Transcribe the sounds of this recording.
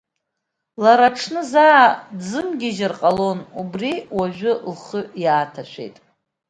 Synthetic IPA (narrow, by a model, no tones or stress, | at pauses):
laɾaʈ͡ʂʰnɨzadzɨmɡʲiʒɪrqʼalo̞nubriwaʒᶣʷʊlχəjaːtʰaʃʷᶣḛjtʼ